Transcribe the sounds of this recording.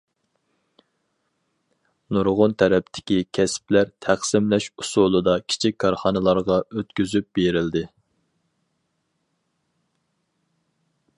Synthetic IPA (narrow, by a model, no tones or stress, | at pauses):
nuɾʁʊnt̪ʰɛɾɛp̚t̪ʰɪ̥kʲikʲʰɛsplæɾt̪ʰæχsɪmlɛʃusulˠɨd̪ɑkʲʰi̥t͡ʃʰik̚ʲkʰːɑɾχɑnɨlˠɑɾʁɑøt̪kʲyzyp̚beɾɪld̪ɪ